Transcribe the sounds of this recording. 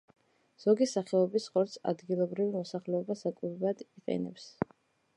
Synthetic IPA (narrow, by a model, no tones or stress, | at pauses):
z̥ɔɡisaχɛɔbisχɔɾt̪sʰa̰d̪ɡilˠɔbɾivimɔsaχlɛɔbasakʼuɾad̪iqʼɛ̰nɛ̰ps